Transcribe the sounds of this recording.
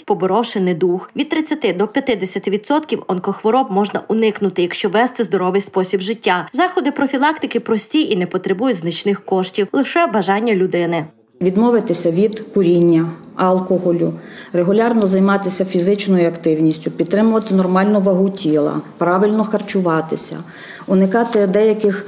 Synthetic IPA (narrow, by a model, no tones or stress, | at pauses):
pɔbɔɾɔwʃenɪjd̪uxʋʲid̪̚t̪ɾɪt͡sʲːɐt̪ɪd̪ɔpʲjɐt̪ɪd̪esʲɐt̪ɪʋʲid̪sɔt̪kʲiwɐnkɔxʋɔɾɔb̚mɔʒnɐʔʊnɪknʊt̪ɪjɐkʃt͡ʃɔʋɛst̪ɪzd̪ɔɾɔʋɪjspɔsʲibʒɪtʲːazɑxɔd̪ɪpɾɔfʲilˠɑkt̪ɪkɪpɾɔsʲtʲiʔinɛpɔt̪ɾebujʊtʲznɐt͡ʃnɪxkɔʃtʲiwlˠɪʃɛbɐʒɑnʲːɐlʲʊd̪ɪnɪ | ʋʲid̪mɔʋɪt̪ɪsʲɐʋʲid̪kʊɾʲinʲːɐ | ɑlˠkɔɦɔlʲʊreɦʊlʲɑrnɔzɐjmɑt̪ɪsʲɐfʲizɪt͡ʃnɔjʊɐkt̪ɪwnʲisʲtʲʊpʲid̪̚t̪ɾɪmʊʋɐt̪ɪnɔrmɑlʲnʊʋɐɦutʲilˠɐ̰pɾɑʋɪlʲnɔxɐrt͡ʃʊʋɑt̪ɪsʲɐ̰ | ʊnɪkɑt̪ɪd̪ɛjɐkɪx